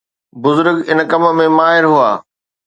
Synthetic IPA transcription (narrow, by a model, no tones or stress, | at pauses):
bʊzʊɾɡɪnkɐm̆mẽmaːɦɪɾɦua̰ː